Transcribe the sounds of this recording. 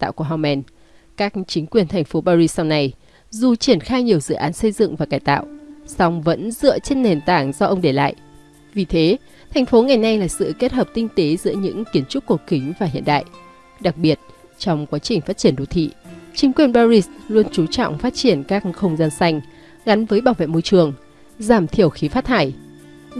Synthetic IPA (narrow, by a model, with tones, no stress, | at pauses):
t̪a̰ː˧˨wku˧˩ɦa˧wmʔɛ˧n | kaː˦˥k̚t͡ɕï˨˦ŋ̟kwi˨˩ənt̪ʰɛ˨˩ŋ̟fo˨˦ɓaː˧zi˧ssa˧wna˧j | zu˨˩t͡ɕi˧˩ənxaː˧jɲi˨˩əwzɨ̰˧˨ʔaː˨˦nsə˧jzɨ̰˧˨ŋvaː˨˩kaː˧˩jt̪a̰ː˧˨wʔsɔ˧wŋ͡mvə̰˧˥nzɨ̰˧˨ət͡ɕe˧nːe˨˩nt̪aː˧˩ŋzɔ˧ʔə˧wŋ͡mɗe˧˩la̰ː˧˨jʔ | vi˨˩t̪ʰe˨˦ | t̪ʰɛ˨˩ŋ̟fo˨˦ŋa˨˩jna˧jlaː˨˩sɨ̰˧˨ke˦˥t̚həː˨˩p̚t̪ï˧ŋ̟t̪e˨˦zɨ̰˧˥əɲɨ̰˧˥ŋki˨˦ənt͡ɕʊ˦˥t̚ku˨˩əkï˨˦ŋ̟vaː˨˩ɦḭ˧ənɗa̰ː˧˨j | ɗa˨˩k̚ɓi˨˩ət̚ | t͡ɕɔ˧wŋ͡mkwaː˨˦t͡ɕï˨˩ŋ̟faː˦˥t̚t͡ɕi˧˩ənɗo˨˩t̪ʰḭ˧˨t͡ɕï˨˦ŋ̟kwi˨˩ənɓaː˧zi˧slu˧ənt͡ɕu˨˦t͡ɕɔ̰˧˨wŋ͡mfaː˦˥t̚t͡ɕi˧˩ənkaː˦˥k̚xə˧wŋ͡mzaː˧nsa˧jŋ̟ | ɣa˨˦nvəː˨˦jɓaː˧˩wvḛ˧˨mo˧jt͡ɕɨ˨˩əŋ | zaː˧˩mt̪ʰi˧˩əwxi˨˦faː˦˥t̚t̪ʰaː˧˩j